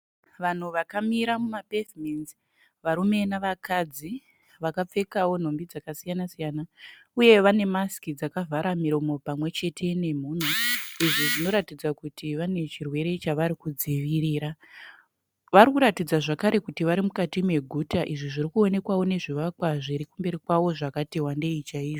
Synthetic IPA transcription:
ʋan̤uʋakamiɾamumapevmenzi | ʋaɾume̞naʋakad͡zi | ʋakap͡fe̞kawo̞n̤o̞mbid͡zakasijanasijana | uje̞ʋane̞maskid͡zakavʱaɾamiɾo̞mo̞pamwe̞t͡ʃe̞tʰe̞ne̞m̤uːn̤uiʐiʐino̞ɾatid͡zakutʰiʋane̞t͡ʃirwe̞ɾe̞t͡ʃaʋaɾikud͡ziʋiriːɾa | ʋarikuɾatid͡zaʐakaɾe̞kutiʋaɾimukatime̞ɡʱutaʔiʐiʐiɾikuo̞ne̞kwawo̞ne̞ʐiʋakwaʐiɾikumbeɾikwawoʐakateɦwande̞it͡ʃaiːʐo

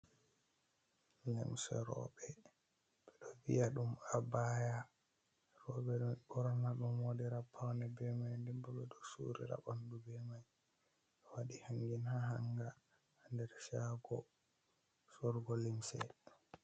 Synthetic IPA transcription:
lɛ̰msɛ̰ɾɔ̰bɛ | ɓɛɗɔvḭjaɗumabaja | ɾɔɓɛɗɔnɓɔɾɔnaɗumwodiɾapʰawnɛbɛmajndɛmbɔɓɛɗɔsṵɾḭɾa̰ɓɔndubɛmaj | ɗɔwaɗihaŋɡinhaɦaŋɡaː | ndɛɾsaɡɔ | sɔɾɡɔlimsɛ̰

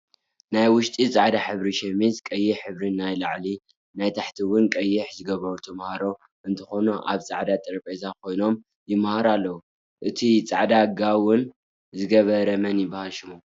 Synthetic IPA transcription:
najwʊʃt̪ʼit͡sʼaʕd̪aħɨβɾiʃɛmizkʼɐjːɪħɨβɾinajlaʕli | najt̪ʰaħt̪ʰiwʊnkʼɐjːɪħzɨɡɐβɐɾut̪ʰɐmhaɾo̞ | ʔɨnt̪ʰɐ̥xo̞nuʔa̰βt͡sʼaʕd̪at̪ʼɐɾɐpʼezakʰo̞jno̞m | jɪmhaɾalːɐwu | ʔɨt̪ʰit͡sʼa̰ʕd̪aɡawʊn | zɨɡɐβɐɾɐmɐnjɪbːahalʃɨmu

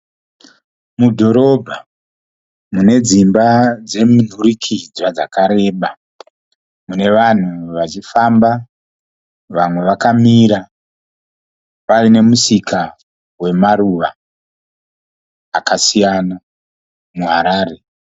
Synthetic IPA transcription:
mudʱo̞ɾo̞bʱa | mune̞d͡zimbad͡ze̞mun̤urikʰid͡zwad͡zakaɾe̞ːɓa | mune̞ʋan̤uʋat͡ʃifamba | ʋamwe̞ʋakamiːɾa | parine̞musikʰa | we̞maruʋa | kasijana | muɦaɾaːre̞

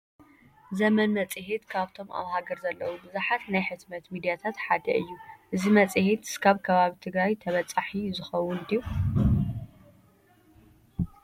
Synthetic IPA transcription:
zɐmɐnmɐt͡sʼɨɦit̪kʰaβt̪ʰo̞ma̰βhaɡɐɾzɐlːɐwubɨzuħat̪najħɨt̪mɐt̪mid̪ijat̪ʰat̪ħad̪ɐ̰ʔɨ̰jːuʔɨzimɐt͡sʼɨhit̪ɨ̥skʰaβkʰɐβaβit̪ʰɨɡɾajt̪ʰɐβɐt͡sʼaħizɨxɐwʊnd̪iu

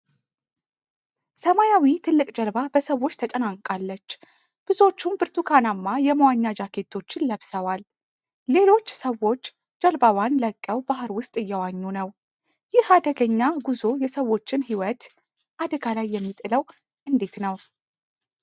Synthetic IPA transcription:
səmajawit̪ʰɨlːɨkʼd͡ʒəlbabəsəwːo̞t͡ʃːt̪ʰət͡ʃʼənaŋkʼalːət͡ʃː | b̥ɨzo̞t͡ʃːumbɨɾt̪ʰukʰanamːajɛməwaɲːad͡ʒakʰe̞t̪ʰːo̞t͡ʃːɪnləβsəwalː | e̞lo̞t͡ʃːsəwo̞t͡ʃː | d͡ʒəlbawjanləkʼːəwbaɦɨɾwʊst̪ʼɨjːɛwaɲːunəw | jɪhad̪əɡəɲːaɡuzo̞jɛsəwːo̞t͡ʃːɪnhiwət̪ | ʔad̪əɡalajːɛmːit̪ʼɨləw | ʔɨnd̪e̞t̪nəw

